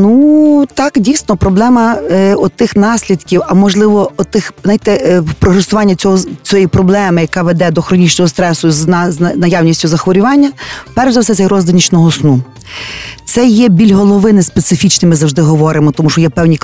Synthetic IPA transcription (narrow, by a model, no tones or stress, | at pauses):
nut̪ɑkdʲijsnɔpɾɔblˠɛmɐɔt̪ɪxnɑsʲlʲid̪kʲiwɐmɔʒlˠɪʋɔɔt̪ɪxzajt̪ɛpɾɔɦɾesʊʋɑnʲːɐt͡sʲɔɦɔt͡sʲɔjipɾɔblˠɛmɪjɐkɑʋed̪ɛd̪ɔxɾɔnʲit͡ʃnɔɦɔst̪ɾɛsʊznzɐnɐjɑwnʲisʲtʲʊzɐxʋɔɾʲʊʋɑnʲːɐpɛrʃzɐwsɛt̪ɛjrɔzd̪ɐnʲit͡ʃnɔɦɔsnu | t̪sɛjɛbʲilʲɦɔlˠɔʋɪnɪspet̪sɪfʲit͡ʃnɪmɪzɐwʒd̪ɪɦɔʋɔɾɪmɔt̪ɔmuʃɔjɛpɛwnʲik